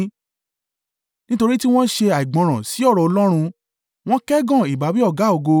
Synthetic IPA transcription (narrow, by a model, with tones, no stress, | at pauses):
nĩ˦to˧ɾi˦ti˦w̃ɔ̃˦ʃe˧a˨i˨ɡ͡bɔ̃˨˧ɾ̃ã˨si˨˦ɔ˦˨ɾɔ˨ɔ˧lɔ˦ɾ̃ũ˧ | w̃ɔ̃˦kɛ˦ɡã˦˨i˨ba˨˦bi˦ɔ˦˨ɡa˨˦o˦˨ɡo˧